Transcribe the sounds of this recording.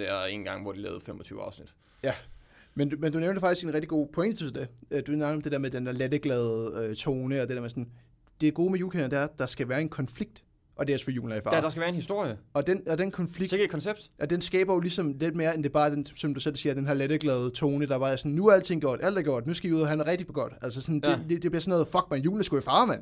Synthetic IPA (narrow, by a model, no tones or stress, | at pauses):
d̥eæen̩ɡ̥ɑ̈ŋ̰ʋɒd̥ilɛ̰ːʊfemɒt͡sʰy̰ʊəɑ̈ʊsnid̥ | jæ | mendumend̥uneʊnɐ̥efɑ̈ɡ̥isɡ̥e̝nʁɛɡ̥̚d̥iɡo̝̰ːpʰɔ̽eŋ̰dit͡sʰsd̥eød̥usnɑ̈ɡ̥ðɒ̽md̥e̝d̥eɐmeðˠd̥endæɐled̥əɡ̥lɛːð̩ˠøt͡sʰo̝ːnəɒ̽d̥e̝deɐmesɔ̽n | d̥e̝ɡ̥o̝ːmejuːkʰenɐd̥eæɐd̥ɑ̈sɡ̥æʋæːɐe̝nkʰɒ̽nfliɡ̥̚d̥ | ʔɒ̽d̥e̝ɒsfɒjṵːln̩æɐifɑ̈d̥ɑsɡæʋæːɐenhisd̥o̝ɐ̰jəɒ̽d̥enɒ̽d̥enkʰɒ̽nfliseɡkʰɒnseb̥d̥ʔɒ̽d̥ensɡ̥ɛ̰ːb̥ɐjo̝lisɒ̽mle̝d̥me̝ːɐend̥e̝b̥ɑ̈ːd̥ensɒ̽md̥usel̰siːɐd̥enɦæɐleɾ̥əɡ̥lɛːð̞̩ˠt͡sʰo̝ːnəd̥ɑ̈b̥ɑ̈æsɒ̽n̩nuæɐæl̰t͡sʰe̝ŋ̰ɡ̥ɒ̰d̥æl̰d̥æɐɡ̥ɔ̰d̥nusɡ̥æjuðˠɐɦænæɐʁɛɡ̥̚d̥ipʰɒɡ̥ɒ̰d̥ælsəsɔndeded̥eb̥liɐsɔ̽nɔːð̩ˠfɒ̽ɡ̥̚mænjṵːln̩əsɡ̥uæfɑ̈ːmæn